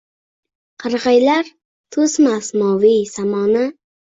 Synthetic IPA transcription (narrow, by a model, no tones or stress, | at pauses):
qʰɨɾʁɑjlaɾ | t̪ʰʊsmasmɒwisamɒnɪ